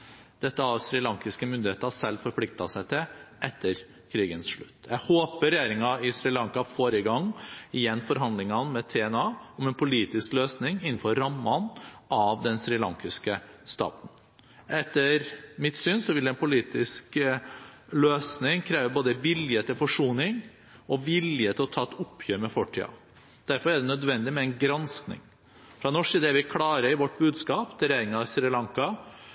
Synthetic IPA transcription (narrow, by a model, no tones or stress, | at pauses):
d̪̥ɛt̪ːəɑʋsɾɪlɑŋkɪskəmʏnd̪ɪheːt̪əɑsɛlːfɔɾpʰlɪk̚t̪ɑsæɪt̪ʰɪlʔɛt̪ːəɾ | kʰɾiːɡənsʂɭʉ̰t̪ːjæhoːpəɾɛjeːɾɪŋɑɪsɾɪlɑŋkɑfoːɾəɡɑŋːɪjɛnːfɔɾɦɑnd̪lɪŋɑnmɛt̪ʰɛɛnɑːɔmɛnpʰʊliːt̪ɪskløːsnɪŋɪnːn̩fɔɾːɑmːɑnʔɑʋd̪ɛnsɾɪlɑ̰ŋkɪskəst̪ɑ̰ːt̪n̩ | ʔɛt̪ːəɾmɪt̪syːnsɔʋɪld̪ɛnpʰʊliːt̪ɪsk | løːsnɪŋkʰɾeːʋəboːd̪əʋɪljət̪ʰɪlfɔʂuːnɪŋ | ɔʋɪljət̪ʰɪlɔt̪ʰɑːɛt̪ʊpʰːjøːɾmɛfɔʈʰḭːɑ̰ | d̪̥æɾfɔɾæɖ̪ɛnœd̪ʋɛnd̪ɪmɛɛnɡɾɑnsknɪ̰ŋ | fɾɑnɔʂɪːd̪ɛæɾʋɪkʰlɑːɾəɪʋɔʈːbʉːd̪skɑːpt̪ʰɪɾjeːɾɪŋɑsɾɪlɑŋkɑ